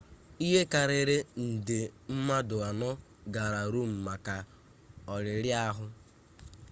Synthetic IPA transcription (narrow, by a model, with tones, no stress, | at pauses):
i˦ɦe˦ka˨ɾɪ˨ɾɪ˦n̩˨dɪ˨m̩˦ma˦dʊ˨a˨nɔ˦ | ɡa˨ɾa˨ɾu˦m̩˨ma˨ka˨ | ɔ˨ɾɪ˨ɾja˦ɦʊ˦